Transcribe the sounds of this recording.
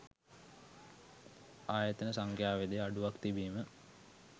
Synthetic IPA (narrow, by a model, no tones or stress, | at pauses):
aːjət̪ənəsaŋkjaːʋed̪ejaɖuʋakt̪ibiːmə